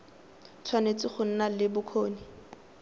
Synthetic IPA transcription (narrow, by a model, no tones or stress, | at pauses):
t͡sʰwanet͡sɪχʊn̩nalɪbʊkʰoːni